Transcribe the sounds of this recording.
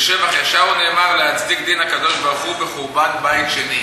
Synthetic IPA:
ʃevaχjaʃaʁune̞ːmaʁleat͡sdikd̪inhakad̪o̞ʃbaʁχubeχuʁbanbait̪ʃe̞ni

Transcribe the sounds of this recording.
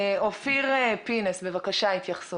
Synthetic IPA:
ofiʁepinesbevakaʃait̪jaχsu

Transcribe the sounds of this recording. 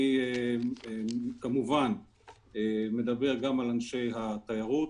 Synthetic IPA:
ieekamuvan | eme̞d̪abe̞ʁɡamalanʃe̞jɦat̪ajaʁut

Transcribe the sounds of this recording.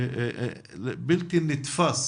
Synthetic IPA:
bɪlt̪ɪnːɪt̪fas

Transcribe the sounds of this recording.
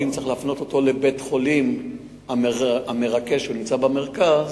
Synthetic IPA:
imt͡saʁeχlaafno̞t̪o̞t̪o̞le̞be̞tχo̞lim | aame̞ʁakeʃunimt͡sabameʁkaz

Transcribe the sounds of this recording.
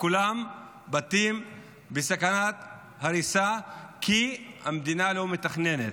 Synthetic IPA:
kulam | bat̪im | besakanat̪ | haɾisakʰihamd̪inalo̞met̪aχne̞net̪

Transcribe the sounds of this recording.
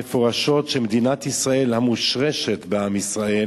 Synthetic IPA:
efo̞ʁaʃo̞tʃemed̪inat̪isʁae̞lhamuʃʁeʃet̪beamisʁae

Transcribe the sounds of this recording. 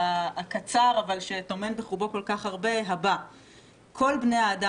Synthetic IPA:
aakat͡saʁavalʃe̞to̞me̞nbeχubo̞ko̞lkaχhaʁbe̞ɦaba | kʰo̞lbneaːda

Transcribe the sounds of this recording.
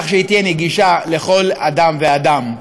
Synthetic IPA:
χʃeit̪jeneɡiʃale̞χo̞lad̪amvead̪am

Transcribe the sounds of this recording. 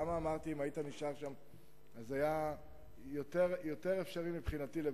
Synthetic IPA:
amaːmaʁt̪iimait̪aniʃaʁʃam | azaja | jo̞t̪e̞ʁjo̞t̪eʁe̞fʃaʁimipχinat̪ile

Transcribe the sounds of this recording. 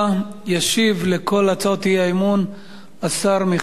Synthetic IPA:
jaʃivle̞kʰo̞lat͡soot̪iaemun | asaʁmi

